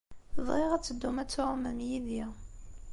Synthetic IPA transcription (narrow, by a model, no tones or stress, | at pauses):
əðˤʁeʁæt͡sːəd̪ːumæt͡sːʊʁmæmjiði